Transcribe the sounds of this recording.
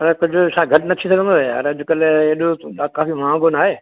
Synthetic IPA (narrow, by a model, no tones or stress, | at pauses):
ɐɾɛkʊd͡ʑʱʊʃãːɡʱɐʈnɐt̪ʰisɐɡʱə̃nd̪oɐɾɐd͡ʑʊkɐleeːɗoakaːfimãːɡonaːɦeː